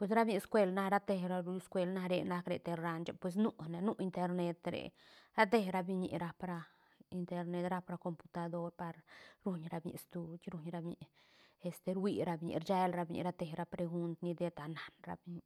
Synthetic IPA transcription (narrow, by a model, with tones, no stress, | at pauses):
pwe˧s̬ɾa˦bɲi˧skʷe˧lna˦ɾa˦t̪e˧ɾa˧ɾu˧˦skʷe˧lna˧ɾe˧na˧kɾe˨t̪e˧ɾa˧nt͡ʃa̰˧˦pwe˧s̬nu˦ne˧nu˦i˧nt̪e˧ɾne˧t̪ɾḛ˨ | ɾa˦t̪̬e˧hɾa˧bi˧ɲḭ˧ʔɾa˧pɾa˧ | i˧nt̪e˧ɾne˧t̪ɾa˦pɾa˧ko˧mpu̥˧t̪a˧d̪o˦ɾpa˧ɾɾu˧ɲɾa˧bɲḭ˧st̪u˧t͡ʃɾu˧ɲɾa˧bɲḭ˧ʔ | e˧st̪e˧ɾwi˧ɾa˧bɲḭ˧˨ɾt͡ʃe˦lɾa˧bɲḭ˧ɾa˧t̪e˧hɾa˧pɾe˧ɡu˧nt̪ni˧d̪e˦t̪a˨na˨nɾa̰˧bi˧ɲi˧